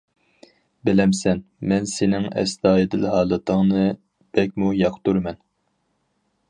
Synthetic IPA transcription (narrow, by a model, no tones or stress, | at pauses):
bɪlɛmsɛn | mɛnsenɪŋɛ̰sd̪ɑːjɨd̪ɪlɦɑːlˠɨt̪ʰəŋnɨ | b̥ɛkʲmujɑqʰt̪uɾmɛn